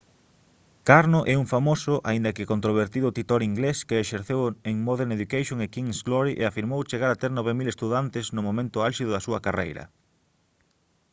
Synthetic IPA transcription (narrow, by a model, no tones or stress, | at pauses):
kaɾnoʔɛuŋfamosʊʔa̰ind̪ɐkɪkont̪ɾoβ̞eɾt̪iðʊːt̪it̪oɾiŋɡleskeːʃeɾθeweŋmɔðeɾneðukajʃjoŋekiŋsɡlɔɾiʔḛafiɾmowt͡ʃeɣaɾat̪eɾnɔβ̞emilest̪uðant̪ɪznʊmõmẽnt̪ʊalʃiðʊðɐsuɐkarejɾɐ̰